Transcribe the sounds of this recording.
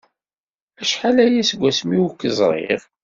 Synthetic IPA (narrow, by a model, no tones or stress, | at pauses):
æʃħalæjæsəɡʷːæsmiwkːəzˤɾˤḛʁ